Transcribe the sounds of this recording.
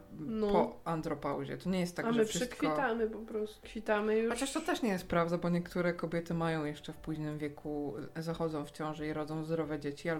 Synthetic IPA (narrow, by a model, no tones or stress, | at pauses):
nɔpɔand̪ɾɔpa̰wʑɛ̰t̪ɔɲɛjɛst̪ːaɡʐɛfʂɘst̪fkʲiɔt̪amɘpɔpɾɔst̪ukfʲit̪amɘɔt͡ɕaʂt̪ɔt̪ɛʂɲɛjɛst̪̚pɾavd̪abɔɲɛkt̪uɾɛkɔbʲjɛt̪ɘmajɔ̃w̃jɛʂt͡ʂɛfpuʑnɘmvʲjɛkʰuzaxɔd̪zɔ̃w̃ft͡ɕɔ̃w̃ʐɛiɾɔd̪zɔ̃w̃zd̪ɾɔvɛd͡ʑet͡ɕia